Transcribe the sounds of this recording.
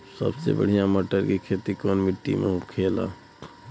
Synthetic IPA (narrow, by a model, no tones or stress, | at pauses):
sə̰bsḛbə̰ɽ̤ijãməʈəɾkikʰet̪ikoːnmiʈːḭmḛ̃ukʰeːla̰